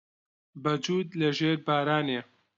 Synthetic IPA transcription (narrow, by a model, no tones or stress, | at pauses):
bɐd͡ʒuːd̪lɐʒeːɾbaːɾaːneː